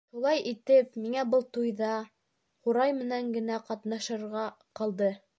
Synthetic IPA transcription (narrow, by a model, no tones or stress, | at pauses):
ʃulˠɑjʔit̪ɘpmiŋæbɤlˠt̪ujðɑ | χuɾɑjmɘ̆næŋɡɘ̆næqɑt̪nɑʃɤ̆ɾʁɑ | qɑlˠd̪ɤ